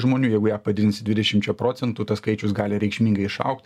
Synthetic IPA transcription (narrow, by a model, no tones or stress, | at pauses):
ʒmoːnʲuːjɛɪɡʊjæːpɐd̪ʲɪd̪ʲɪnsʲɪd̪ʲʋʲɪdʲɛʃʲɪmt͡ʃʲɛpɾoːt̪sʲɛnt̪ut̪ɐskɐɪt͡ʃʲʊsɡɑːlʲɪɾʲɛɪkʃʲmʲiːŋɡɐɪɪʃɐ̰ʊkt̪ʲ